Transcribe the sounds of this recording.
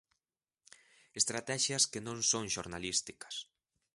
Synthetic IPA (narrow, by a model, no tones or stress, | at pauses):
est̪ɾat̪ɛʃjɐskenõŋsõŋʃoɾnalist̪ikɐ̥s